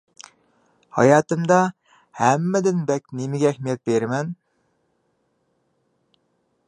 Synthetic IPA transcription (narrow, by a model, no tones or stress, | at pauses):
hɑ̰jɑːt̪ɨmd̪ɑ | hæmːɛd̪ɪnbɛk̚ʲnemɪɡʲɛːhmijɛt̪̚beɾmɛn